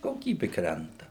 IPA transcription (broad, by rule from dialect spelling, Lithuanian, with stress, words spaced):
koːˈkʲiːbʲɪ ˈkrʲɛntɐ